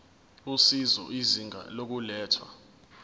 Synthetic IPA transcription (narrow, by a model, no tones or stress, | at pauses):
usizɔ̰ʔiziŋa̰lok̬ulɛːtʰwa̰